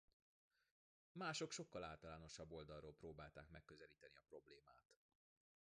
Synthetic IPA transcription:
maːʃo̞kʃo̞kːɒlaːlt̪ɒlaːno̞ʃɒbːo̞ld̪ɒroːlproːbaːlt̪a̰ːkmɛkːøzɛliːt̪ɛniɒpro̞bleːmaːt̪

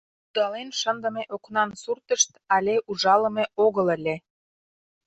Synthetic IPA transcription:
ud̪ɑlenʃə̆nd̪ə̆meʔoknɑnsurt̪əʃt̪ɑlʲeʔuʒɑlə̆meoɣələ̆lʲe

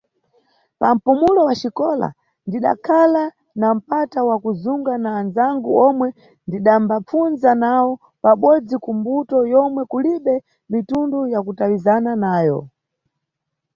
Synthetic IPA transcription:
pam̩pumulɔwat͡ʃikɔla̰ | ndiɗa̰kʰala | nam̩patawakuzuŋɡanaːnzaŋɡuɔmwɛ | ndiɗambap͡funzanawɔ | paɓɔd͡zikumbutɔjɔmwɛkuliɓɛ | mitundujakutawizananaːjɔ̰

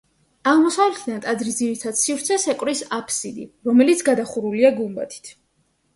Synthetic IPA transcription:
aʁmɔsavlɛt̪ʰd̪ant̪ʼad̪zɾiziɾit̪ʰad̪̥sivɾt̪sʰɛsɛkʼwɾisapʰsid̪ḭɾɔmɛlit̪sʰɡad̪aχuɾuliaɡumba̰t̪ʰi̥t̪ʰ

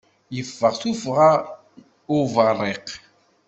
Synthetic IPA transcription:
ifasufʁa | ovaɾɛq

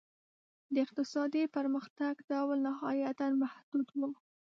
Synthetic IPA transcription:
d̪əɪq̚t̪ɪsɑd̪ipəɾməxt̪aɡd̪awalnahɑjat̪anmahd̪̥ud̪wu

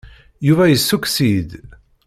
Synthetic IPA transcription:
juvæjəsːuksid̪

